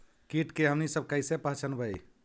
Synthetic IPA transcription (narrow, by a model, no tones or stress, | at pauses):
kiʈkeɦəmnisəb̚kəjsepaɦt͡ʃənbəj